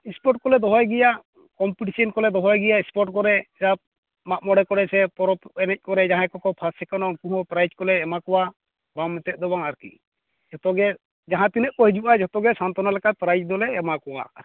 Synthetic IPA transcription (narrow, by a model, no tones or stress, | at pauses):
ispɔʈ̚kɔlɛd̪ɔɦɔjɡɛjaʔ | kɔmpiʈisɔnkɔlɛd̪ɔɦɔjɡɛjaispɔʈ̚kɔɾɛsap̚ | mamɔɽɛkɔɽɛsɛpɔɾɔpɛnɛc̚kɔɾɛd͡ʒaɦãkɔkɔpʰasɛkanɔkuɦɔ̃pɾajd͡ʒkɔlɛːmakɔwa | bamːɛt̪ɛt̪̚ˀd̪ɔbaŋaɾkḭ | d͡ʒɔt̪ɔɡɛ | d͡ʒaɦãt̪inəʔ̚kɔhid͡ʒuʔad͡ʒɔt̪ɔɡɛsant̪ɔnalɛkat̪̚pɾajd͡ʒd̪ɔlɛːmakɔwa̰